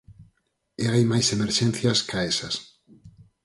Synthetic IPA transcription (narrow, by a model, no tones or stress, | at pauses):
eajmajsemeɾʃɛnθjɐskʰaesɐs